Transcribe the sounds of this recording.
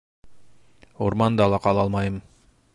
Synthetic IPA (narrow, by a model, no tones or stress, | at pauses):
uɾmɑnd̪ɑlˠɑqɑlˠɑlˠmɑjɤm